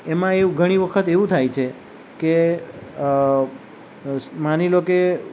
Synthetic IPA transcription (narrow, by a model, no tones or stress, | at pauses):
emãeɡʱəɽ̃iʋəkʰət̪eʋũt̪ʰajt͡ʃʰe | ke | maniloke